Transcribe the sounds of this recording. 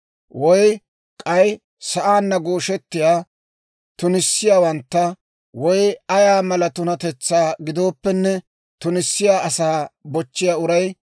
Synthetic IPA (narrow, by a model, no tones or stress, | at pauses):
wɔj | kʼɐj | sɐʔaːnːɐɡoːʃɛt̪ːɪjaː | t̪ʊnɪsːɪjaːwɐnt̪ːɐ | wɔjɐjaːmɐlɐt̪ʊnɐt̪ɛt͡sːaːɡɪd̪o̞ːpːɛnːɛ | t̪ʊnɪsːɪjaːɐsaːbɔt͡ʃːɪjaːʊɾɐj